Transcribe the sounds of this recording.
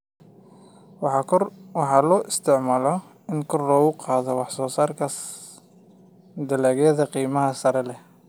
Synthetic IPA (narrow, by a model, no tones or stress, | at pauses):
wɑħɑlɔːʔɪst̪ʰɪʕmaːlɔ | ɪnkʰɔrlɔːɣʊqɑːðɔwɑħsɔːsaːrkʰɐ | d̪ɐlaːɣjɐðɐqiːmɐɦɐsɐɾɛlɛ